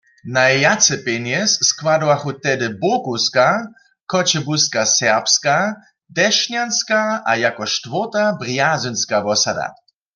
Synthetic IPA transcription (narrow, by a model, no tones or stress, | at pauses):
naɛjat͡sɛpɛnjɛsːkwadɔaxut̪ɛdɪbokuska | kɔt͡ɕɛbuskasɛʁpska | d̪ɛʃɲjanskaajakɔʃtvoʁt̪abʁjazunskavɔsad̪a̰